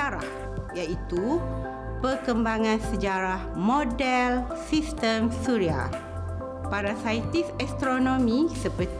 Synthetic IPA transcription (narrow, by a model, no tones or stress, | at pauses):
aɾa̰h | jait̪u | pərkəmbaŋãnsəd͡ʒaɾahmodɛl | sist̪əmsuɾia̰ | paɾasaət̪isɛst̪ɾonõmĩsəpət̪